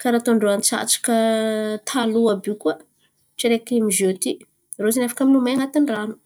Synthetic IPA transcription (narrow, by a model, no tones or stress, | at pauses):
kaɾat̪oɳɖ͡ʐoant͡sa̰t͡sḁkət̪ʰaluabikua | ʈ͡ʂiɾekimizot̪i | rozenafḁkaminumajaŋat̪inranu̥